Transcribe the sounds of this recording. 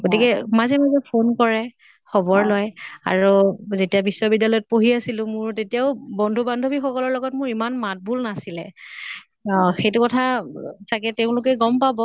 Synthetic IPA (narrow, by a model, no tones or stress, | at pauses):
ɡotikɛmazɛmazɛpʰonkɔɹɛ | xɔbɔɹlɔja̰ɹuzetijabisɔbidːalɔjɔt̚poɦiasilʊ̃mʊɹtetijaʊbɔndʱubandʱobixɔkɔlɔɹlɔɡɔtmʊɹimanmat̚bʱulnasilɛ | xejtʊkɔtʰasakɛtɛʊ̃lʊk̬ɛɡɔmpabɔ